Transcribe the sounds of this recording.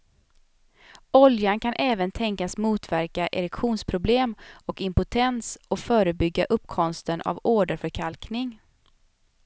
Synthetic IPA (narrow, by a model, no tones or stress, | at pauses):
ɔljankʰanʔɛːvənt̪ʰɛŋkasmuːt̪væɾkaʔɛɾɛkɧuːnspʰɾʊbleːmɔkɪmpʊt̪ʰɛnsɔfœːɾəbʏɡːaʔɵpːkʰɔmst̪ənʔa̰voːɖəɾfœɾkʰalknɪŋ